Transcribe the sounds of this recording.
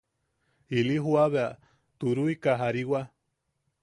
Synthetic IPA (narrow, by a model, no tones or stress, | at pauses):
iliɦuaβea | t̪uɾuikaɦaɾiwa